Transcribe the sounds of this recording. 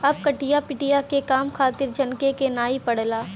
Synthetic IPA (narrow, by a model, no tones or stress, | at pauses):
ɐb̚kɐʈijapɪʈijakekaːmkʰaːt̪ɪɾd͡ʒɐnkekenaːipɐɽlaː